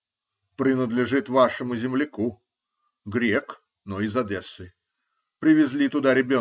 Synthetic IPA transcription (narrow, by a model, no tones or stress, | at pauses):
pɾʲɪnəd̪lʲɪʐɨt̪vaʂɨmʊzʲɪmlʲɪku | ɡɾʲek | noɪzɐd̪ɛsːɨ | pɾʲɪvʲɪzʲlʲit̪ʊd̪aɾʲɪbʲo